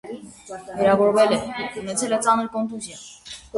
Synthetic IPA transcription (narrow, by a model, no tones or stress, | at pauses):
vɛɾɑvɔɾvɛlɛunɛt͡sʰɛlɛt͡sɑnəɾkɔnt̪uzjɑ